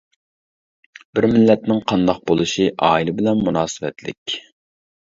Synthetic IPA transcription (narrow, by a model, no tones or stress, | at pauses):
b̥ɪɾmɪlːɛt̪nɪŋqʰɑnd̪ɑq̚bolˠuʃiʔɑːilˠɨbɪlɛnmunɑːsɨwɛ̰t̪lɪ̰kʲ